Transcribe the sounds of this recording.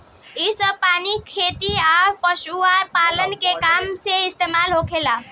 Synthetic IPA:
isəb̚panikʰet̪iapəsuaɾpalənkekamseist̪emalɦokʰela

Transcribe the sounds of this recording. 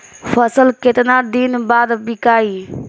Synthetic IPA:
pʰəsəlket̪nad̪inbad̪bikai

